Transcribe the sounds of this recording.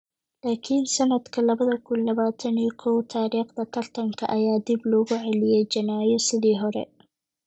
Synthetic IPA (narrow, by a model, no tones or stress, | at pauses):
laːkʰinsɐnɐd̪kʰɐlɐβɐðɐkʰʊnlɐβaːt̪ʰɐniːkʰɔwt̪ʰaːɾiːqd̪ɐt̪ʰɐrt̪ʰɐŋkʰɐʔɐjaːd̪iblɔːɣʊʕɛlɪjɛjt͡ʃɐnaːjɔsɪðiːɦɔɾɛ̰